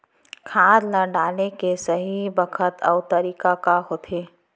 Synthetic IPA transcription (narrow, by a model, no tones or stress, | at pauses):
kʰãːd̪nəɖaːlnekesɐɦibəkʰət̪ɔːʊt̪ɐɾiːkakaɦoːt̪ʰeː